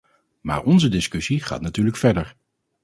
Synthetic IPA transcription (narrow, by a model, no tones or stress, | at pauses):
ma̰ːɹɔnzədɪskɵsiχa̰ːtnatyːɹləkfɛɹdəɹ